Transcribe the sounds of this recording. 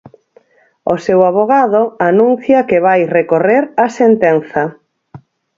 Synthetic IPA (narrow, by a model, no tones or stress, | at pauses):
osewaβoɣaðoanũn̟θjɐkeβajrekoreɾasent̪en̟θɐ